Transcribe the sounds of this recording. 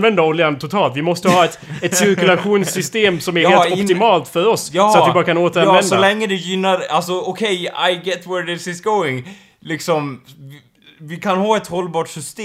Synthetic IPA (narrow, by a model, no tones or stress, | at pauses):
vɛnd̪aolɪant̪ʰʊt̪ʰɑːlt̪vɪmɔst̪əhɑːɛt̪ɛt̪sɪɾkʉlaɧuːnssːʏst̪eːmsɔmæɾheːlɔpt̪ɪmɑːlt̪fœɾɔsːsɔat̪vɪbɑːɾakʰanoːt̪əɾavɛndsɔalɛŋːəd̪ɛjʏnːaɾalsɔɔkʰɛja̰ɪɡɛt̪wɛɾdɪsɪsɡoʊɪŋ | lɪksɔm | vɪkʰanhɑːɛt̪hɔlːbɑːʈsʏst̪e